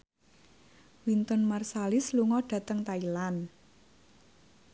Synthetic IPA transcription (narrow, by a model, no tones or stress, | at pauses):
wint̪ɔnmarsalɪsluŋɔɖ̥a̤t̪əŋt̪ailan